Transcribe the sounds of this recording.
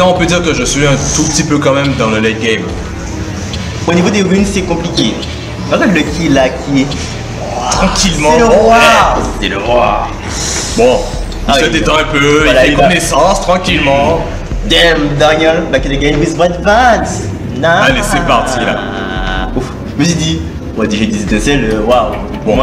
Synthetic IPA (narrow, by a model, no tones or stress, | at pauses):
nɔ̃ɔ̃pød̪iʁkəʒəsɥiɛ̃ɛ̃t̪upət̪ipøkɑ̃mɛmd̪ɑ̃ləlɛɡɛm | onivod̪eʁynsɛkɔ̃plikʲe | bazɔ̃ləkʲilakʲi | t̪χɑ̃kʲilmɑ̃eləʁwaʁd̪eləʁwaʁ | bɔ̃ | sɛd̪eɑ̃ɛ̃pøvwalaɛknesɑ̃st̪χɑ̃kʲilmɑ̃ | d̪ɛmd̪aɲɔlbakɛnəɡɛ̃jwizbʁɛd̪vɛ̃ns | naalesɛpaʁt̪ʰila̰ | uf | ʒəməsid̪i | ad̪iʒed̪iset̪ɛ̃sɛløwaw | bɔ̃ma